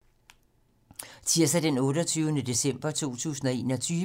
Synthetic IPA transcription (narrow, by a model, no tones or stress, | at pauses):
t͡sʰiɐ̰sæd̥enɔ̽ːɾɐt͡sʰyːʊnəd̥e̝sem̰b̥ɐt͡sʰo̝̰ːt͡sʰṵːsn̩ɒ̽e̝̰ːnɒ̽t͡sʰyː